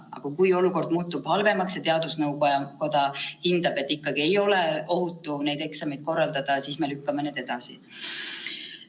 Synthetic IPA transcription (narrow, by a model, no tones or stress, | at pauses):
ɑ̰ɡ̥ɑkujo̞luko̞rd̪muːt̪ːub̥hɑlve̞mɑksjɑt̪e̞ɑd̪usnɤwɑko̞d̪̥ɑhind̪̥ɑb̥e̞t̪ːikːɑɡ̥ie̞jo̞le̞o̞ɦut̪ːˑune̞jd̪e̞ksɑmed̥̪̚ko̞rːɑld̪̥ɑd̪̥ɑsiːsme̞lykːɑme̞ne̞d̪e̞d̪̥ɑsḭ